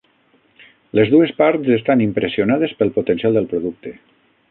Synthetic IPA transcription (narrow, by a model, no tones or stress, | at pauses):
lezðuespaɾtzest̪animpɾesionað̞espelˠpot̪ensialˠd̪əlˠpɾoðuk̚t̪e